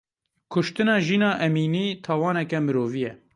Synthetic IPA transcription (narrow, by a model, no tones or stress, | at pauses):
kʰʊʃt̪ɨnɑːʒiːnɑːʔɛmiːniːt̪ʰɑːwɑːnɛkɛmɨɾoːvijɛ